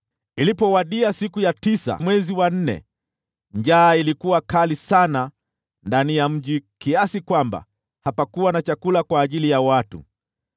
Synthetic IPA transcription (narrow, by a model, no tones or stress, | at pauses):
ilipɔwaɗiasikujatisa̰mwɛziwan̩nɛ̰ | ɲd͡ʒaːilikuwakalisana | ndanijam̩ʄikiasikwamba̰ | hapakuwanat͡ʃakulakwaːʄilijawatṵ